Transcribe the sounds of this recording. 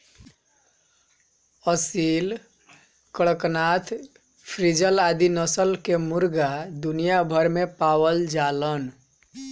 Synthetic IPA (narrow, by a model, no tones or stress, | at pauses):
əsil | kəɭəknat̪ʰ | pʰɾid͡ʒəlad̪inəsəlkemuɾɡad̪unijabʱəɾmepawəld͡ʒalən